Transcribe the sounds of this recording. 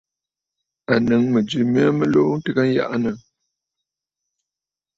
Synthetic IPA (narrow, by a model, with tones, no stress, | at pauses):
a˨nɨ˨ŋmə˨d͡ʒʉ˨mi˦a˦mə˦lo˦n̩˦tɨ˦ɣa˦n̩˦ja̰˦ʔa˦nə˨